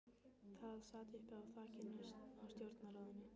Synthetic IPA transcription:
θaðsaːt̪ʏhpawθaːcɪnːʏsawst̪jowɾt̪naɾaːwðɪnːʏ

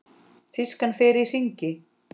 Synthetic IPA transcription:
θiskanfɪɾɪir̥iɲcɪ

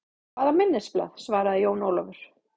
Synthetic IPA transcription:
kʰvaːðamɪnːɪspla̰ðsvaːɾaðɪjoːwnoːwlɔvʏɾ̥

